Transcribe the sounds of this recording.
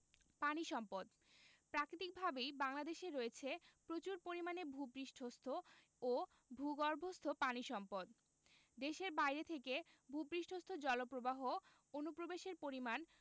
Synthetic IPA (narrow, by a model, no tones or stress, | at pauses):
paniʃɔmpod̪ | pɾakɾit̪ik̚bʱabejbaŋlad̪eʃeɾoet͡ɕʰepɾot͡ɕuɾpoɾimanebʱubɾiʃʈʰost̪ʰo | o | bʱuɡɔɾbʱost̪ʰopaniʃɔmpod̪ | d̪eʃeɾbajɾet̪ʰekebʱupɾiʃʈʰost̪ʰod͡ʑɔlopɾobaɦo | onupɾobeʃeɾpoɾiman